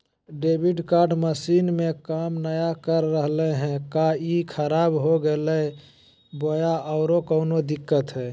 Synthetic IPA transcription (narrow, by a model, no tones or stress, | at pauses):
ɖebʱiɖkaɾɖməsinmekamnəjakəɾːəɦleɦɛ̃kaikʰəɾabɦoɡelɛ | bojaʔɔʊɾokəʊnod̪ɪkːət̪ɦɛ